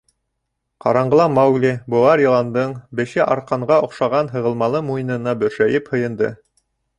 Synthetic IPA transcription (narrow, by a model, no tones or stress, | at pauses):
qɑ̰ɾɑɴɢɤ̆lˠɑmɑwɡlʲibuɑɾjŏlˠɑnd̪ɤɴbɘ̆ʃɘʔɑɾqɑɴɢɑŏqʃɑʁɑnɦɤ̆ʁɤ̆lˠmɑlˠɤmujnɤ̆nɑbɵ̆ɾʃæjɘphɤ̆jɤ̆nd̪ɤ̰